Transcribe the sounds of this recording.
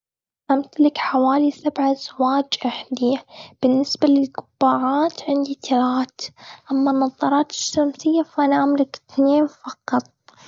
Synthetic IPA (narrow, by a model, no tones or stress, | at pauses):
amt̪alɪkħawaːlisabʕaz̥waːd͡ʒʔaħd̪ib̥ɪnːɪsbalɪlɡʊbːaːʕaːt̪ʕɪnd̪it̪ʰalaːt̪ʔamːanːɑðˤːɑɾˤɑːt̪ɪ̥ʃːamsɪjːafaʔanaʕamlɪkɪt̪neːnfɑqɑt̪̚ˤ